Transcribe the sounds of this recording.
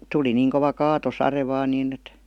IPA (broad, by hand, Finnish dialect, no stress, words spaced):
tuli niːŋ koʋɑ kɑːtosɑre ʋɑːn niːn et